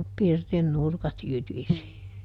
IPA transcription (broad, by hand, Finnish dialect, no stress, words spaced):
pirtin nurkɑt jytisi